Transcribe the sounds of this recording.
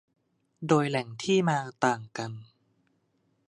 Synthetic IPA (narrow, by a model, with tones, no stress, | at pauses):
doː˧jlɛ˩˦ŋt̪ʰiː˥˩maː˧t̪aː˨˩ŋka˧n